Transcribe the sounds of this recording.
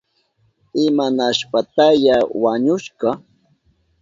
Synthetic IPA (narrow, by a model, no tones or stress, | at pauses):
ɪmanaʃpat̪ajawaɲʊʃɢɑ